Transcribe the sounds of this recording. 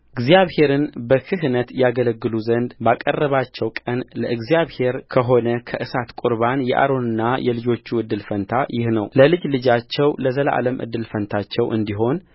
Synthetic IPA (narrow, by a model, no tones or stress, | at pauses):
ʔɨɡzijaβhe̞ɾɨnbəkʰɨhnət̪jaɡələɡːɨluzənd̪bakʼərːəβat͡ʃːɛwkʼənləʔɨɡzjaβhe̞ɾkʰəɦo̞nəkʰəʔɨsat̪kʼuɾβanjɛ̰ʔa̰ɾo̞nɨnːajɛlɨd͡ʒo̞t͡ʃːuɨd̪ːɨlfənt̪ʰajɪhnəwləlɨd͡ʒlɨd͡ʒat͡ʃːɛwləzəlʔa̰ləmʔɨ̰d̪ːɨlfənt̪ʰat͡ʃːɛwʔɨ̰nd̪iɦo̞n